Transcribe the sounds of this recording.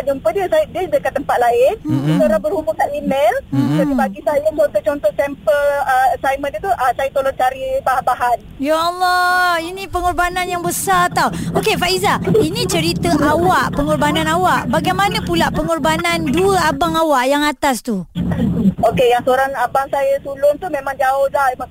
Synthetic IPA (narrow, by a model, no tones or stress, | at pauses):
ad͡ʒumpədiəsadiədəkant̪ːəmpat̪̚laɪndisoɾaŋbərhubʊkaʔimelt̪aibaɡisajət͡ʃɔnt̪ɔht͡ʃɔnt̪ɔhtɛmpələsajmə̃ndit̪uʔəsajat̪oloŋt͡ʃaɾibaɦabaɦan | jaɔlˠːɔinĩpəŋɔrbanãnjaŋbəsart̪awokefaʔizainĩt͡ʃəɾit̪əʔawaʔpəŋɔrbanãnawaʔbaɡajmãnãpulaʔpəŋɔrbananduəabaŋawaʔjaŋat̪ast̪u | okejaŋsəoɾaŋabaŋsajat̪ulʊnt̪umemãŋd͡ʒaʊhlahemaŋ